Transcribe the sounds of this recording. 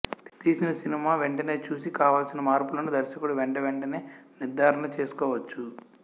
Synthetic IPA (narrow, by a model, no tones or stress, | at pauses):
t̪iːsinɐsinimaːʋeɳʈɐne̞ːt͡ʃuːsikaːʋaːlsinɐmaːɾpulɐnud̪ɐɾʃɐkuɽuʋeɳʈɐʋeɳʈɐne̞ːniɾd̪ʱaːɾɐɳɐt͡ʃe̞ːsu̥kɔːʋɐt͡ʃːu